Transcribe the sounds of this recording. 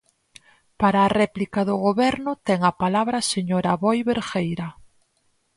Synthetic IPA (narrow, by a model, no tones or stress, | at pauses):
paɾaːrɛplikaðʊɣoβɛɾnʊt̪ɛŋɐpalaβɾaseɲoɾaβɔjβeɾxejɾɐ